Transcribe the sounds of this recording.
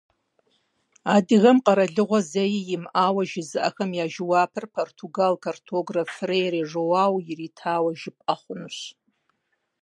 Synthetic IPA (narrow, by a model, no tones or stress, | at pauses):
adiɣamqʼaɾaɮɨʁʷazejjɪmawaʒɪzɨʔa̰xamjaʒwapʰɨrpʰortʰuɡalkʰortʰoɡrafrejreʐowawiritʰaːwaʒɪpʼaχʷʊnɕ